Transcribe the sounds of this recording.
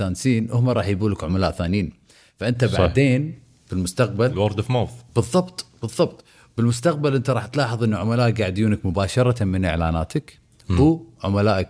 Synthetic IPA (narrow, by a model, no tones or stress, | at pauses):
aːnsiːnʔʊhmaɾˤɑːħjbuːlakʕʊmalaːʔθaːniːn | faʔɪnt̪abaʕd̪eːn | b̥ɪlmʊst̪aq̚balwɑɾˤd̪fmaːfbɨðˤːɑbt̪ˤb̥ɨðˤːɑbt̪ˤ | bɪlmʊst̪aq̚balʔɪnt̪aɾˤɑːħt̪lɑːħəðˤʔɪnːuʕʊmalaːʔ̚ɡaʕd̪juːnakmʊbaːʃɑɾˤɑmɪnʔɪ̰ʕla̰ːnaːt̪ɪk | ʕʊmalaːʔak